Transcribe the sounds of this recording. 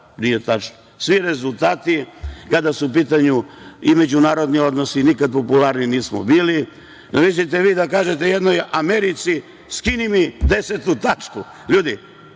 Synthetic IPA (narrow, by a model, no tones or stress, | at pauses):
nijet̪at͡ʃno | sʋiɾe̞zulˠt̪aːt̪ikad̪asuːp̬iːt̪̬aɲuime̞d͡ʑunaːɾod̪niod̪no̞sinikad̪̚po̞pulaɾniniːsmo̰biːli | nomis̬it̪̬eʋiːd̪akaːʒet̪ejed̪nojameɾit̪si | skinimid̪eset̪ut̪at͡ʃku | ʎuːd̪i